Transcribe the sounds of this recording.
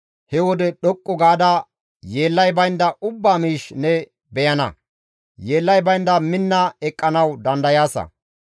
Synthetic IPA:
hɛwɔd̪ɛɗɔkʼːɔɡaːd̪ɐ | jeːlːɐjbɐjnd̪ɐʔʊbːaːmiːʃnɛ | bɛjɐnɐ̰ | je̞ːlːɐjbɐjnd̪ɐmɪnːɐɛkʼːɐnɐwd̪ɐnd̪ɐjaːsɐ̰

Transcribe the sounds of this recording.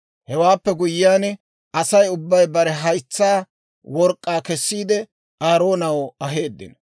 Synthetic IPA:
hɛwaːpːɛɡʊjːaːn | ɐsɐjʊbːɐjbɐɾɛɦɐjt͡sːaː | wɔɾkʼːaːkɛsːiːd̪ɛ | ʔaːɾo̞ːnɐwɐɦe̞ːd̪ːɪ̰nɐ

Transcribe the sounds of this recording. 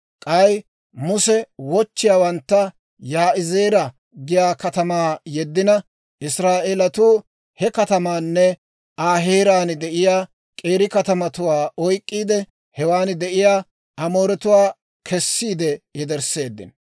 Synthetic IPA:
kʼɐj | mʊsɛwɔt͡ʃːɪjaːwɐnt̪ːɐ | jaːʔɪzeːɾɐ | ɡɪjaːkɐt̪ɐmaːjɛd̪ːɪnɐ | ʔɪsɾaːʔeːlɐt̪uː | hɛkɐt̪ɐmaːnːɛ | ʔaːɦeːɾaːnd̪ɛʔɪjaː | kʼe̞ːɾɪkɐt̪ɐmɐt̪ʊwaːʔɔjkʼːiːd̪ɛ | hɛwaːnd̪ɛʔɪjaː | ʔɐmo̞ːɾɛt̪ʊwaː | kʰɛsːiːd̪ɛjɛd̪ɛɾse̞ːd̪ːɪ̰n

